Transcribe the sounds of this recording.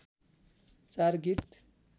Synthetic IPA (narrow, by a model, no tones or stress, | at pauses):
t͡sarɡit̪